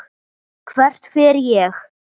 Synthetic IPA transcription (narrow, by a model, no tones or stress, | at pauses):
kʰvɛr̥t̪fɪɾjɛx